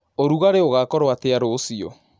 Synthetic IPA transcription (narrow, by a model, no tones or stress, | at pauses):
oɾuɣaɾeoɣakɔɾwateaɾoːsiɔ̰